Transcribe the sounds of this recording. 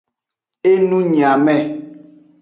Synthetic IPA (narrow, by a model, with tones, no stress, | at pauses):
e˦nũ˦ɲĩ˨a˨mɛ̃˦˨